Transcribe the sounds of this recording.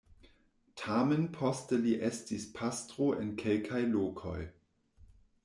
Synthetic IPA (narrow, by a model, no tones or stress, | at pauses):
tʰamenpʰɔstəliʔestispʰastʁ̥oʔenkʰelkʰajloːkʰoj